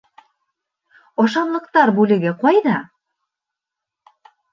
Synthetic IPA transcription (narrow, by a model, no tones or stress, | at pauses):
ɒʃɑnlˠɤ̆qt̪ɑɾbulɘ̆ɡɘ̆qɑjd̪ɑ